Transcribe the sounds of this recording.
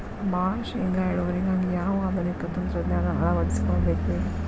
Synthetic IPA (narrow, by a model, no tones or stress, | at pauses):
baːʃeŋɡaːeɭoːʋɐɾiɡaːɡijaːʋɐɐd̪ɐnikːɐt̪ɐnt̪ɾɐd̪naːnɐɦɐɭɐʋɐɽisi̥koɭbeːkulː